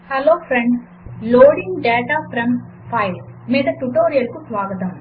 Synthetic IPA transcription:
hɐloːpʰɾeɳɖ | loːɖiŋɡɖɛːʈaːpʰɾɐm | pʰɐjlmiːd̪ɐʈuʈoːɾijɐlkusʋaːɡɐt̪ɐm

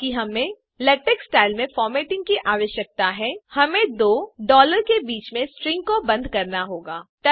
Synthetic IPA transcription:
kiɦɐmẽ | lɐʈeksʈaːɪlmẽfɔːɾmeːʈɪ̃ŋɡ̚kiʔaːʋəʃjək̚t̪aɦɛhɐmẽd̪oːɖɔːləɾkebiːt͡ʃmẽsʈɾɪ̃ŋɡ̚kobɐ̃nd̪ʱkɐɾnaɦoːɡaːt̪ɐ

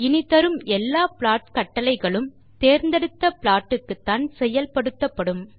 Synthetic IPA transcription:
ɪnɪt̪ɐɾɯmɛlːaːpɭaːʈkɐʈːɐlɐɪɣɐɭɯm | t̪eːɾnd̪ɛɽɯt̪ːɐpɪɭaːʈːɯkːɯt̪ːaːnsɛjːɐlpɐɽɯt̪ːɐpːɐɽɯm

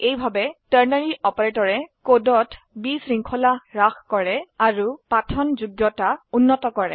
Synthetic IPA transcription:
ejbʱabɛtəɹnaɹiɔpɔɹetɔɹɛkodɔtʰ | bisɹiŋkʰɔlaɹaxkɔɹɛaɹupatʰɔnzuɡjɔtaunːɔtɔkɔɹɛ

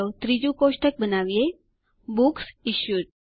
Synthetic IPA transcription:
õt̪ɾid͡ʒukoʃʈʰək̚bənaʋije | buksiʃjuɾ

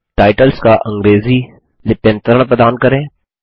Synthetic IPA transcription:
ʈaːɪʈəlskaʔɐ̃ŋɡɾeːzi | lɪpə̃nt̪əɾəɽ̃pɾəd̪aːnkɐɾẽː

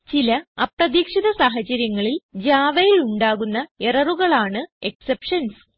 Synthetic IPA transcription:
t͡ɕilɐɐprɐðiːkʂiðɐsaːɦɐt͡ɕːɐɾjɐŋːɐɭild͡ʑaːʋɐjiluɳɖaːɣunːɐerɐruɣɐɭaːɳɨe̞ksepʂɐns

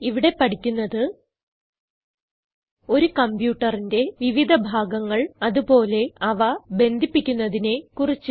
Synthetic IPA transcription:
iʋiɽe̞pɐʈikʲːunːɐðɨ | o̞ɾukɐmbjuːʈːɐrinde̞ʋiʋid̪ʱɐbʱaːɡɐŋːɐɭɐðupo̞ːle̞ɐʋɐbe̞nd̪ʱipːikʲːunːɐðine̞kurit͡ɕːɨ

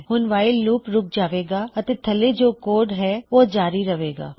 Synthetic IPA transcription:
ɦʊnʋaːɪlːuːpɾʊk̚ʰd͡ʒaːʋeːɡaːət̪eːt̪ʰəleːd͡ʒoːkoːɖɦɛːoːd͡ʒaːɾiɾəʋeːɡa̰ː

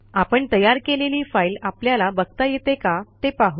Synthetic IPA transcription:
apəɳt̪əjaɾkeleliːfailapljalabəɡ̚t̪ajet̪ekat̪epaɦu

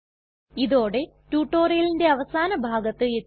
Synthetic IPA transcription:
iðo̞ːɽe̞ | tuːʈːo̞ːrijɐlinde̞ɐʋɐsaːnɐbʱaːɡɐt̪ːɨe

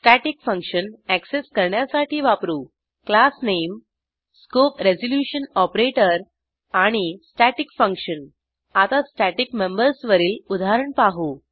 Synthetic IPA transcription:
sʈæʈikfə̃ŋkɕənækseskəɾɳjasaʈʰiːʋapɾuː | klasnem | skopɾezoljuɕənɔpɾeʈəɾ | aɽ̃isʈæʈikfə̃ŋkɕən | at̪asʈæʈikmembəɾsʋəɾiːlud̪aɦɾəɳpaɦu

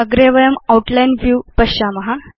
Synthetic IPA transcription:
əɡɾeʋəɭəmawʈlainʋjupəɕaməɦa

